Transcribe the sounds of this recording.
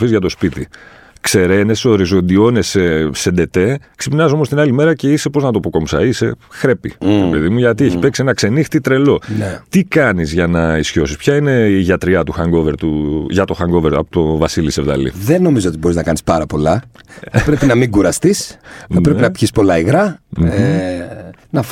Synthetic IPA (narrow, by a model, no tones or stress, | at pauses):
fizʝɐt̪o̞spit̪i | kse̞ɾe̞ne̞so̞ɾizo̞nd̪io̞ne̞sesend̪e̞t̪e̞ksepinɐzo̞most̪inɐlime̞ɾɐce̞ise̞po̞znɐt̪opoko̞msɐ̰ise̞xɾe̞pḭɾepe̞ðimuʝɐt̪ieçi̥pe̞ksienɐkse̞nixt̪it̪ɾe̞lo̞net̪ikɐnizʝɐnɐisço̞sispçɐine̞iʝɐt̪ɾiɐt̪uxɐŋɡo̞ve̞ɾt̪uʝɐt̪o̞xɐŋɡo̞ve̞ɾɐpo̥t̪o̞vɐsilisevðɐ̰lḭðenːo̞mizoot̪ibo̞ɾiznɐkɐnispɐɾɐpo̞lɐθpɾepinɐmiɡuɾɐst̪isɐpɾepinɐpçispo̞lɐiɣɾɐm̩ | nɐf